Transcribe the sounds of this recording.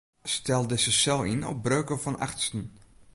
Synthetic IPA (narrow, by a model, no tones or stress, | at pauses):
stɛlˠdɪsəsɛlˠinɔ̰p̚brøːkəfɔna̰xtstən